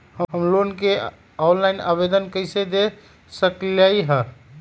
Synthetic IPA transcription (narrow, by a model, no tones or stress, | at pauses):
həɦəmlonke | anlajna̰bed̪ənkəɪsed̪e | səklajɦə